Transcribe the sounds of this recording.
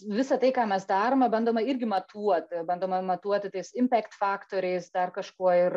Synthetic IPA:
ʋʲɪsɐt̪ɐɪkɑːmʲɛsd̪ɑːɾoːmɛbɐnd̪oːmɐɪrʲɡʲɪmɐt̪ʰuɔt̪ʲbɐnd̪oːmɐmɐt̪uɔt̪ʲɪt̪ɐɪsɪmʲpʲæːkt̪fɑːkt̪oːɾʲɛɪsd̪ɐrkɐʃkuɔɪr

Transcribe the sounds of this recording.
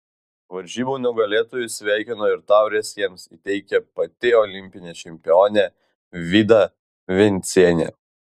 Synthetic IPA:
ʋɐɾʲʒʲiːbuːnʲʊɡɐlʲeːt̪oːjʊsʲʋʲæˑɪkʲɪnoːɪɾt̪ɑˑʊɾʲeɛsʲjiɛmsḭt̪ʲɛɪkʲɛpɐt̪ʲɪɔlʲɪmʲpʲɪnʲeːt͡ʃʲɛmʲpʲɪoːnʲɛ | ʋʲid̪ɐ | ʋʲɛnʲt̪sʲiɛnʲḛː

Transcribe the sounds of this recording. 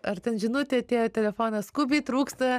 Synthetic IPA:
ɐrt̪ʲɛnʒʲɪnʊt̪ʲɪɐt̪ʲeːjoːt̪ʲɛlʲɛfoːnɐskuːbʲiːt̪ɾuːkst̪ɐ

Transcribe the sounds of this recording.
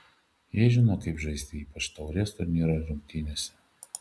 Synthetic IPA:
jiɛʒʲɪnoːkɐɪpʒɐɪsʲt̪ʲɪiːpɐt͡ʃt̪ɐʊɾʲest̪ʊɾnʲiːɾɐɾʲʊmʲkʲt̪ʲɪnʲesʲɛ̥

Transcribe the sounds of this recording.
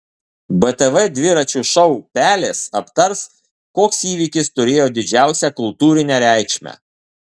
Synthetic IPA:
bɛt̪ɛʋɛd̪ʲʋʲɪɾɐt͡ʃʲuʃɒʊpʲæːlʲeːsɐpt̪ɐɾs | koːksiːʋʲiːkʲɪst̪ʊɾʲeːjoːd̪ʲɪd͡ʒʲæˑʊsʲɛkʊlˠt̪uːɾʲɪnʲɛɾʲæˑɪkʃʲmʲæ̰

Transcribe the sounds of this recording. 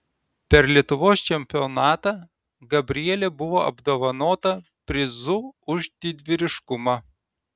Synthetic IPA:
pʲɛɾlʲiɛt̪ʊʋoːst͡ʃʲɛmʲpʲɪɔnɑːt̪ɑː | ɡɐbʲɾʲɪɛlʲebʊʋoːɐ̰bd̪oːʋɐnoːt̪ɐpʲɾʲɪzʊʊʒd̪ʲɪd̪ʲʋʲɪɾʲɪʃkʊmɑː

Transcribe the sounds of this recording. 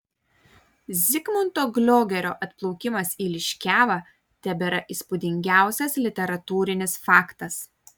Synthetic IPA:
zʲɪkmʊnt̪oːɡlʲoːɡʲɛɾʲo̰ːʔɐt̪plˠɔʊkʲɪmɐsiːlʲɪʃʲkʲæːʋɐ | t̪ʲɛbʲeːɾɐʔiːspʊd̪ʲɪŋʲɡʲæˑʊsʲɛslʲɪt̪ʲɛɾɐt̪uːɾʲɪnʲɪsfɑːkt̪ɐs

